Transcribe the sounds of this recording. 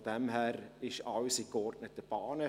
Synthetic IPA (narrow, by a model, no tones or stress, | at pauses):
d̥ɛmhæːɾɪʃɑʊsikɔrdnətəb̥ɑːnə